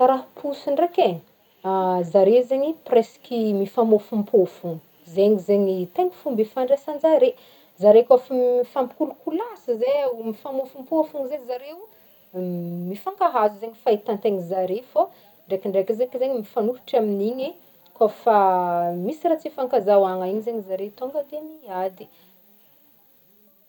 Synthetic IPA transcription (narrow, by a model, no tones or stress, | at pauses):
kaɾaɦpʰusiɳreke | zaɾewzeɲipreskʲimifamofumpʰuafuŋi̥ | zeŋizeɲit̪eŋi̥fumbifaɳɖ͡ʐesand͡zaɾe | zaɾekafafampi̥kulukulasizemifamofumpuafuŋizezaɾew | mifaŋkaɦazuzeɲifait̪ant̪eŋizaɾefo | ɳɖ͡ʐekiɳɖ͡ʐekizeŋzeɲimifanuɾu̥ʈ͡ʂaminiɲi | kofamisirat͡sifaŋkazawaŋaiɲizeɲizaɾeut̪oŋɡəd̪emiad̪i̥